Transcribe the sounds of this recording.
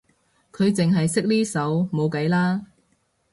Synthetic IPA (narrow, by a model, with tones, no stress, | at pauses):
kʰɵ˨˧ɥt͡sɪ˨ŋɦɐ˨jsɪ˥k̚liː˥sɐ˨˥wmo˨˧wkɐ˨˥jlaː˥